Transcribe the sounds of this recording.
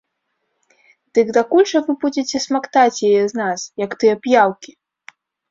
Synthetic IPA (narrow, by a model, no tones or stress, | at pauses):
d̪̥ɨɡd̪akulʲʂɐvɨbud͡zʲet͡sʲɛsmakt̪at͡sʲjajɛznasjɐkt̪ɨjɛɐpjawkʲi